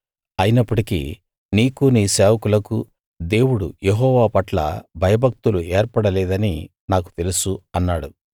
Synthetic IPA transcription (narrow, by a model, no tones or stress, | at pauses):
ɐjinɐpːuʈikḭ | niːkuniːseːʋɐkulɐku | d̪e̞ːwuɽujeɦɔːʋaːpɐʈlɐ̰bʱɐjɐbʱɐk̚t̪uluɛːɾpɐɽɐlɛːd̪ɐni | naːku̥t̪e̞lusuɐnːaːɽu